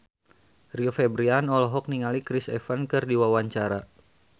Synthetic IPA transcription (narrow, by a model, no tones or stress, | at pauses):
riofɛbɾianɔlɔɦɔk̚niŋalikɾisɛfankɨrdiwawaɲt͡ʃaɾa